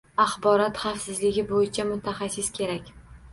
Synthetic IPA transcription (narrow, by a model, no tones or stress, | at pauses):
aχbɒɾɒt̪χafsɪzlɪɡʲɪbojɪt͡ʃʰamʊt̪ʰaχasɪskʲʰe̞ɾakʲ